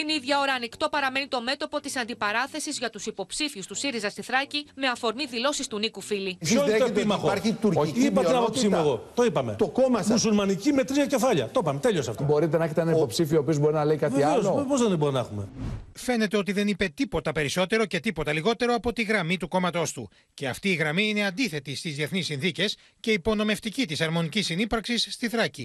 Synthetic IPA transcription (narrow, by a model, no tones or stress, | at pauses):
t̪iniðʝɐo̞ɾɐːnikt̪o̞pɐɾɐme̞nit̪o̞me̞t̪o̞po̞t̪isɐnd̪ipɐɾɐθe̞sizʝɐt̪usipo̞psifiust̪usiɾizɐst̪iθɾɐcime̞ɐfoɾmiðilo̞sist̪unikufiliçooetpimɐxoɾit̪uɾipɐeɐpot̪isimueɣot̪o̞ipɐme̞̰t̪okomɐmmusulmɐnicime̞t̪ɾiɐce̞fɐʎɐt̪opɐmet̪e̞ʎio̞sɐft̪obo̞ɾit̪enɐeçet̪eenɐipo̞psifiooːpio̞zbo̞ɾinɐleikɐtveiɐveospo̞zðenibo̞ɾinɐexume̞̰fe̞ne̞t̪e̞o̞t̪̬iðe̞nipe̞t̪ipo̞t̪ɐpe̞ɾiso̞t̪e̞ɾo̞ce̞t̪ipo̞t̪ɐliɣo̞t̪e̞ɾo̞ɐpo̞t̪iɣɾɐmit̪uko̞mɐt̪o̞st̪ṵ | ce̞ɐft̪iːɣɾɐmiine̞ɐnd̪iθe̞t̪ist̪izðieθnisːinθice̞s | ce̞ipo̞no̞me̞ft̪icit̪isɐɾmo̞nicisinipɐɾksisːt̪iθɾɐci